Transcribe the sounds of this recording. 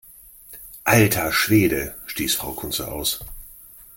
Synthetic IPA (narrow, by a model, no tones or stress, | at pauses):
ʔaltʰaʃv̥eːdəʃtiːsfʁ̥aʊkʰʊnt͡sɐ̰ʔa̰ʊs